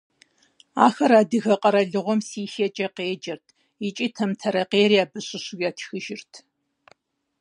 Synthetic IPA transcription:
a̰ːxɐɾaːdɨɣɐqʼɐɾɐɮɨʁʷɔmsiːxɛt͡ʃʼɐqeːd͡ʒɐrtʰ | it͡ʃʼiːtʰɐmtʰɐɾɐqeːɾiaːbɨɕʼɪɕuɡʲaːtʰxɨʒɪrtʰ

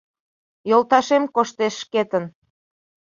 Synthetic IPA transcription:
jolˠt̪ɑʃemkoʃt̪eʃːket̪ən

